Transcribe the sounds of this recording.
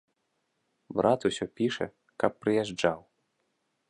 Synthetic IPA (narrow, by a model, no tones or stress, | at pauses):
bɾʔat̪usʲɔpʲiʂɛ̰ | kɐpːɾɨjaʐd͡ʐaw